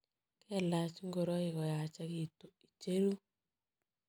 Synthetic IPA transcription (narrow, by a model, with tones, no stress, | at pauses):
kɛ˦la˨t͡ʃi˦ŋɡo˨ɾɔ˦i˨ɣɔ˨ja˨t͡ʃa˦ɣi˨to˨i˨t͡ʃe˦ɾu˦